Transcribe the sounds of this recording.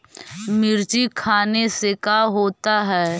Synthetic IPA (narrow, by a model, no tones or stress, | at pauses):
mɪɾt͡ʃikʰaːnesekaɦoːt̪aɦɛː